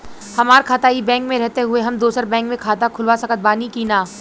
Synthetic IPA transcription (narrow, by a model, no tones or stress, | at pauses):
hɐmaːɾkʰaːt̪aːibɛ̃ːŋkmẽɾɛɦt̪eɦʊeɦɐmd̪oːsəɾbɛ̃ːŋkmẽkʰaːt̪akʰʊlʋasɐkət̪̚baːnikinaː